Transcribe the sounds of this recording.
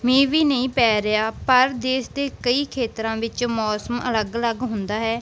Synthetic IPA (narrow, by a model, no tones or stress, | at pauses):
mẽːʋiːnəĩːpɛːɾɪjaːpəɾd̪eːsd̪eːkəiːkʰeːt̪ɾãːʋɪt͡ʃmɔːsəmə̰ləɡələɡɦʊnd̪aːɦɛː